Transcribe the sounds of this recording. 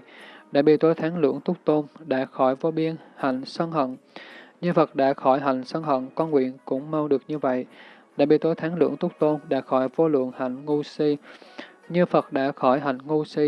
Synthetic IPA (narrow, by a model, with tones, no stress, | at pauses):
ɗa̰ː˧˥ɓḭ˧˨t̪o˨˦jt̪ʰaː˨˦ŋlɨ̰˧˥əŋt̪ʊ˦˥k͡p̚t̪o˧nɗa̰ː˧˥xɔ˧˩jvo˧ɓi˧ənha˨˩jŋ̟sə˧nɦə̰˧˨nɲɨ˧fə˨˩t̚ɗa̰ː˧˥xɔ˧˩jɦa˨˩jŋ̟sə˧nhə̰˧˨nkɔ˧nŋwḭ˧˨ənkʊ̰˧˥ŋ͡mma˧wɗɨ˨˩ək̚ɲɨ˧və̰˧˨jɗa̰ː˧˥ɓḭ˧˨t̪o˨˦jt̪ʰaː˨˦ŋlɨ̰˧˥əŋt̪ʊ˦˥k͡p̚t̪o˧nɗa̰ː˧˥xɔ˧˩jvo˧lwɨ̰˧˨əŋha˨˩jŋ̟ŋu˧si˧ | ɲɨ˧fə˨˩t̚ɗa̰ː˧˥xɔ˧˩jɦa˨˩jŋ̟ŋu˧si˧